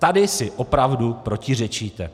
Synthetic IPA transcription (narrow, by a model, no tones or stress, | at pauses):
t̪adɪsɪʔo̞pɾavdupɾo̞cɪr̝ɛt͡ʃiːt̪ɛ